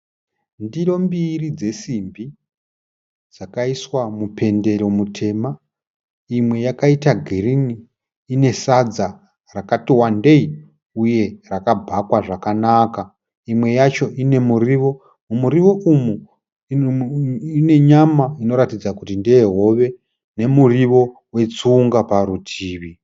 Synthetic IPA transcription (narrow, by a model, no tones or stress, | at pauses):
ndiro̞mbirid͡ze̞simbi | d͡zakaiswamupʰe̞nde̞ɾo̞mutʰe̞ːma | imwe̞jakaitaɡʱiriniː | ne̞sad͡za | rakatiwande̞i | uje̞rakabʱakwaʐakanaka | imwe̞jat͡ʃo̞ʔine̞muriʋo̞ | mumuɾiʋo̞ʔumu | ine̞ɲamaino̞ɾatid͡zakutindeeɦo̞ʋe̞ | ne̞muriʋo̞ | we̞t͡suːŋɡapaɾutʰiːʋi